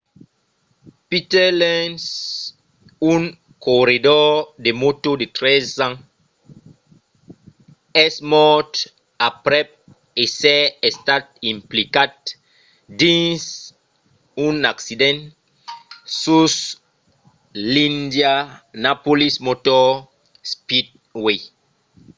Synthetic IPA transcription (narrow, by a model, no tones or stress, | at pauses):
pitɛlɛ̃ns | ũŋ | koɾidɔdemotodet̪ɾɛzãn | ɛsmɔt | apɾɛp̚ | esɛɛstat̚ĩmplikat̚ | dĩns | unaksidɛ̃n | sus | lĩndjanapolismotɔ | spid̚ | we